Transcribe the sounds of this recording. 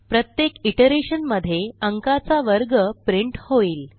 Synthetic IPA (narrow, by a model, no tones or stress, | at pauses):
pɾət̪jekiʈəɾeɕənməd̪ʱːjeəŋkat͡saʋəɾɡəpɾiɳʈhoiːl